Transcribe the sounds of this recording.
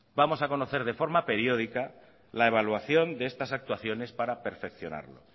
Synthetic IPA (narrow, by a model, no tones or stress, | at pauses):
bamo̞sako̞no̞θe̞ɾð̞e̞fo̞ɾmape̞ɾjo̞ð̞ika | lae̞β̞alwaθjo̞nd̪eest̪asak̚t̪waθjo̞ne̞spaɾape̞ɾfe̞kθjo̞̰na̰ɾlo̞̰